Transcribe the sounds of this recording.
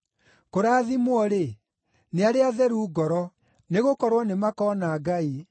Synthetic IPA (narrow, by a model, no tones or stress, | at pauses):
koɾaːðimwɔɾe | neaɾeaðɛɾuːɡɔɾɔ | neɣokɔɾwɔnemakɔːnaːɡai